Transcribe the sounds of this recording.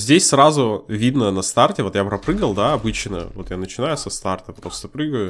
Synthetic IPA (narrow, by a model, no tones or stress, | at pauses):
zʲdʲesʲsɾazʊvʲid̪nənɐst̪artʲɪvo̞t̪japɾɐpɾɨɡəlˠd̪aɐbɨt͡ɕnə̰vo̞t̪janət͡ɕɪnajʊsɐst̪art̪əpɾo̞st̪əpɾɨɡəjʊ